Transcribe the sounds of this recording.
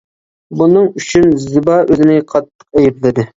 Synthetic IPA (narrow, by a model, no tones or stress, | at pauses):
bunɨŋyt͡ʃʰynzɨbɑʔøzɪnɪqʰɑt̪ʰːə̥q̚ɛjiɾlɪd̪ɪ